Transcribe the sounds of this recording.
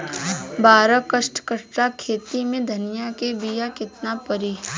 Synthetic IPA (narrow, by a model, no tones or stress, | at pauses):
baːɾəkəʃʈkəɾakʰːeːt̪imẽd̪ʱɐnɪjakebijakɪt̪napəɾiː